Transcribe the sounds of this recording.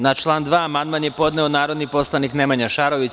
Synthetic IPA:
nat͡ʃlˠaːnd̪ʋaːamand̪̚manjepo̞d̪neonaːɾo̞d̪nipo̞slˠanikne̞maɲaʃaɾo̞ʋit͡ɕ

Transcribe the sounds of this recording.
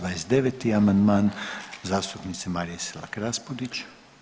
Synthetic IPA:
ʋajesd̪eʋet̪iamand̪maːnzaːst̪upnit̪semaːɾijesilˠa̰kɾaspod̪it͡ʃ

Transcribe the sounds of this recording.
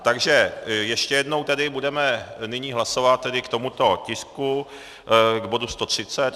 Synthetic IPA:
t̪aɡʒɛjɛʃcɛjɛdno̞wt̪ɛdɪbudɛmɛnɪɲiːɦlasovat̪̚ːɛdɪkt̪o̞mut̪o̞cɪsku | ɡbo̞dust̪o̞t̪r̝̥ɪt͡sɛt̪

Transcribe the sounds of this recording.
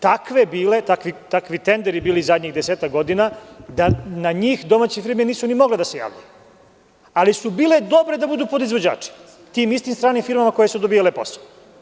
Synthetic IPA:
t̪akʋe̞biːle̞t̪akʋit̪akʋit̪end̪eɾibiːlizad̪ɲiɣd̪eseːt̪akɡo̞d̪inad̪anaɲiːxd̪o̞maːt͡ɕifiɾminiːsunimo̞ɡled̪ase̞ja̰ːʋʎṵju | alisubiːled̪o̞bɾe̞d̪abud̪uːpod̪izʋo̞d͡ʑa̰ːt͡ʂi̥ | t̪iːmist̪imst̪ɾaːnimfiɾmamako̞je̞sud̪obiːjalepo̰sal

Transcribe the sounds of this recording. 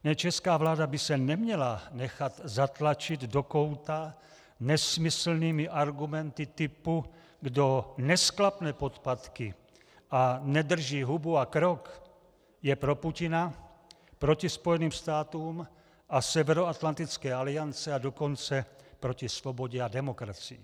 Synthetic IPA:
nɛt͡ʃɛskaːvlaːdabisɛnɛmɲɛlanɛxat̪zat̪lat͡ʃid̪dokowt̪a | nɛsmisl̩niːmiʔaɾɡumɛnt̪it̪ipu | ɡdonɛsklapnɛːpot̪pat̪ki | anɛd̪r̩ʒiːɦubuakɾok | jɛpɾo̞pucɪna | pɾo̞cispo̞jɛniːmst̪aːt̪uːm | ʔasɛvɛɾoat̪lant̪it͡skɛːalɪant͡sɛado̞ko̞nt͡sɛpɾo̞cisvo̞bo̞ɟɛadɛmo̞kɾat͡sḭː

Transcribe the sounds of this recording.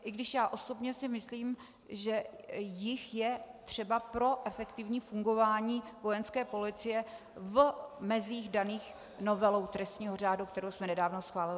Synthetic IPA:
ʔɪɡdɪʃjaːʔo̞so̞bɲɛsɪmɪsliːm | ʒɛjɪxjɛt̪r̝̥ɛbapɾo̞ʔɛfɛkt̪ɪvɲiːfuŋɡo̞vaːɲiːvo̞jɛnskɛːpo̞lɪt͡sɪjɛ | vmɛziːxdaniːx | no̞vɛlowt̪ɾɛst̪ɲiːɦo̞r̝aːdukt̪ɛɾowsmɛnɛdaːvno̞sxvaːlɪlɪ

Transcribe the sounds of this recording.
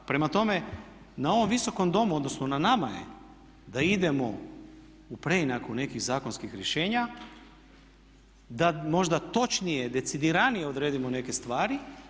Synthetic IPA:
pɾe̞mat̪o̞me̞ | nao̞ʋo̞mʋiso̞ko̞md̪o̞muod̪no̞snonanamajḛ | d̪aid̪e̞mo̞ | upɾe̞inakune̞kiɣzaːko̞nskixɾje̞ʃe̞ːɲa | d̪amo̞ʒd̪at̪o̞t͡ʃnije̞d̪e̞t̪sid̪iɾanije̞o̞d̪ɾe̞ːd̪imone̞ke̞st̪ʋaːɾi

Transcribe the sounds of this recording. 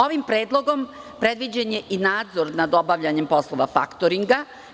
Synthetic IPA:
oʋimpɾe̞ːd̪lˠo̞ɡo̞m | pɾed̪ʋid͡ʑaɲe̞ʔinaːd̪zo̞ɾnad̪obaʋʎaɲe̞mpo̞slˠo̞ʋa̰fa̰kt̪oɾiŋɡa

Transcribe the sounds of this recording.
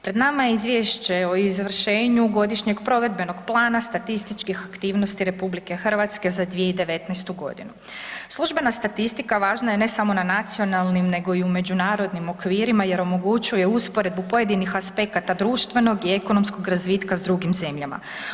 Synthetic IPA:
pɾe̞d̪namajeizʋjeʃt͡ɕe̞o̞izʋr̩ʃe̞ːɲuɡo̞d̪iʃɲe̞ɡpɾo̞ʋe̞d̪be̞no̞ɡplˠaːnast̪at̪ist̪it͡ʃkixakt̪iːʋnost̪iɾe̞publike̞xr̩ʋat̪ske̞zad̪ʋije̞id̪e̞ʋe̞t̪nɛjst̪uɡo̞̰d̪ḭnu | slˠuʒbe̞nast̪at̪ist̪ikaʋaːʒnajene̞samo̞nanat̪sio̞nalˠnimne̞ɡo̞iume̞d͡ʑunaːɾo̞d̪nimo̞kʋiːɾimaje̞ɾo̞mo̞ɡut͡ɕuje̞uspo̞ɾe̞d̪̚bupo̞je̞d̪inixaspe̞kat̪ad̪ɾuːʃt̪ʋe̞no̞ɡie̞ko̞no̞msko̞ɡɾazʋiːt̪kazd̪ɾuɡimze̞mʎama̰

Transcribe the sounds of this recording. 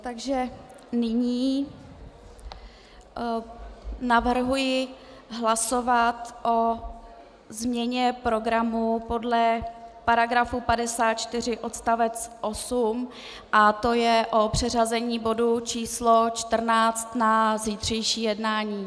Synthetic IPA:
t̪aɡʒɛ | nɪɲiː | navr̩ɦujɪ | ɦlasovat̪ʔo̞ | zmɲɛɲɛpɾo̞ɡɾamupo̞dlɛpaɾaɡɾafupadɛsaːt̪̚t͡ʃt̪ɪr̝ɪʔo̞t̪st̪avɛt͡sʔo̞sum | ʔat̪o̞jɛʔo̞pr̝̥ɛr̝azɛɲiːbo̞dut͡ʃiːslo̞t͡ʃt̪r̩naːt͡st̪naziːt̪r̝̥ɛjʃiːjɛdnaːɲiː

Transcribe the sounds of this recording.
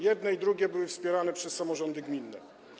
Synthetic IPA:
jɛd̪nɛid̪ɾuɡʲɛbɘwɘfspʲjɛɾanɛpʂɛsːamɔʐɔnd̪ɘɡmʲinːɛ̰

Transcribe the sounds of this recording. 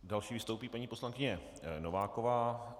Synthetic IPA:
dalʃiːvɪst̪owpiːpaɲiːpo̞slankɪɲɛ | novaːkovaː

